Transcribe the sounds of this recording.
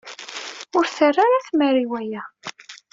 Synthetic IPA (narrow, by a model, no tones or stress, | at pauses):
ʊɾθərːaɾaθməɾiwæjæ